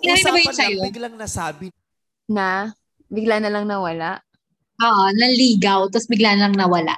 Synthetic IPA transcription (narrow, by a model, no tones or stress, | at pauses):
ɪnaɾiɐbɐjɪsɐjoɡlaŋnɐsaːbɪ | na | bɪɡlanɐlɐŋnɐwɐlaʔ | ʔoːʔonɐliːɡɐwt̪ɐsbɪɡlanɐlɐŋnɐwɐla̰ʔ